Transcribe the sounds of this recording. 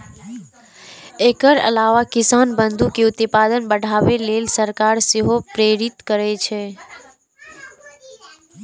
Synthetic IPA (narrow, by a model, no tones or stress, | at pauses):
eːkəɾə̰laːʋakɪsaːnbə̃nd̪ukeʊt̪paːd̪ənbəɽʱaːʋeleːlsəɾkaːɾsɪɦopɾeːɾɪt̪kəɾet͡ʃʰe